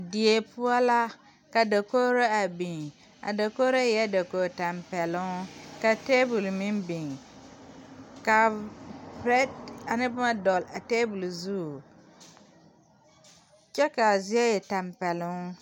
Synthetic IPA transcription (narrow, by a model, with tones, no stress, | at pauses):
di˨e˨pʊ˦a˦la˦ | ka˨da˨ko˦ɾa˦a˨bi˨ŋ | a̰˨da˨ko˦ɾa˦jɛ˦da˨ko˨ta˨mpɛ˨lʊ˦ŋ˦ka˨te˦bu˨lmɪ˦mbɪ˨ŋ | ka˨ | bɾɛ˦da˨nɪ˦bʊ˦ma˦dɔ˨la˨teː˦bu˨lzu˦˨ | t͡ʃɛ˦ka˨zi˦ɛ˦jɛ˨ta˨mpɛ˨lʊ˦ŋ